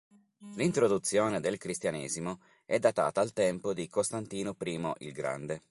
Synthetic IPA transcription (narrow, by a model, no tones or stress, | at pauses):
lint̪ɾod̪ut̪sːjoːned̪elkɾist̪janḛːzimo | ɛd̪ːat̪a̰ːt̪aːlt̪ɛmpod̪ikost̪ant̪iːnopɾiːmoʔḭlɡɾa̰nd̪e